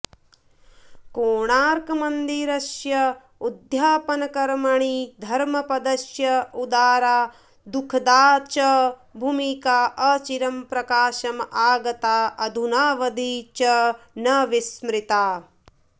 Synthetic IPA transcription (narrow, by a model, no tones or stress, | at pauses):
koːɳaːɾkɐmɐnd̪iɾɐʃjɐ | ud̪ʱjaːpɐnɐkɐɾmɐɳid̪ʱɐɾmɐpɐd̪ɐʃjɐud̪aːɾaː | d̪ukʰd̪aːt͡ʃɐbʱumikaːʔɐt͡ʃiɾɐmpɾɐkaːʃɐmʔaːɡɐt̪aːɐd̪ʱunaːʋɐd̪ʱit͡ʃɐ | nɐʋismɾit̪aː